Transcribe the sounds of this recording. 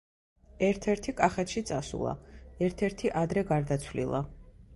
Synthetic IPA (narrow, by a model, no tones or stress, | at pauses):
ɛɾt̪ʰɛɾt̪ʰikʼaχɛt̪ʃit̪sʼasṵlˠa̰ɛɾt̪ʰɛɾt̪ʰiʔad̪ɾɛɡaɾd̪at̪sʰlḭlˠa̰